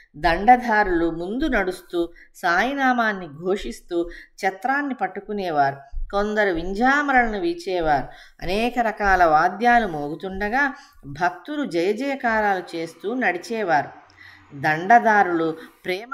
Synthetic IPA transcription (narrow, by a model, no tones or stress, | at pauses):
d̪ɐɳɖɐd̪ʱaːɾulumund̪unɐɽust̪uː | saːjɐnaːmaːnːiɡʱo̞ːʂist̪uːt͡ʃɐt̪ɾaːnːipɐʈːukunɛːʋaːɾuko̞nd̪ɐɾuʋiɲd͡ʒaːmɾɐlɐnuʋiːt͡ʃɛːʋaːɾu | ɐ̰nɛːkɐɾɐkaːlɐʋaːd̪jaːlumoːɡut̪uɳɖɐɡaː | bʱɐk̚t̪uɾud͡ʒɐjɐd͡ʒɐjɐkaːɾaːlut͡ʃe̞ːst̪uːnɐɽit͡ʃɛːʋaːɾu | d̪ɐɳɖɐd̪aːɾulupɾɛː